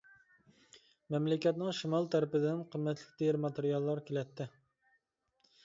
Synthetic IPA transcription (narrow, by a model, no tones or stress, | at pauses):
mɛmlɪkʲɛt̪nɪŋʃimɑlˠt̪ʰæɾɪpɪd̪ɪnqʰəmːɛt̪lɪkʲd̪ejɪɾmɑt̪eɾijɑlˠːɑɾkʲʰelɛt̪ʰːɪ